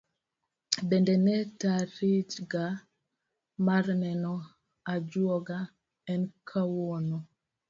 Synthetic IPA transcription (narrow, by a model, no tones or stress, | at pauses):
bɛndɛnɛtaɾit͡ʃɡa | marnɛnɔ | ad͡ʒwɔɡa | ɛnkʰawɔnɔ